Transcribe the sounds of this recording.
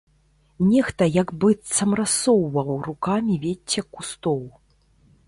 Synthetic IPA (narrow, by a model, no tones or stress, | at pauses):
nʲɛxt̪ɐjɐɡbɨt̪sɐmɾasɔwvɐwrukamʲivʲet͡sʲːɐkːust̪ɔw